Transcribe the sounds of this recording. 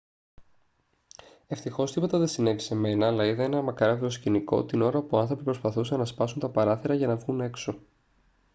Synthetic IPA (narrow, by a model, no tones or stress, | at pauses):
e̞ft̪ixo̞st̪ipo̞t̪ɐðesine̞vise̞me̞nɐːlɐiðɐenɐmɐkɐɾɐviɾosciniko̞̰t̪ino̞ɾɐpuɐnθɾo̞pipɾo̞spɐθusenɐspɐsunt̪ɐpɐɾɐθeɾɐʝɐnɐvɣune̞kso̞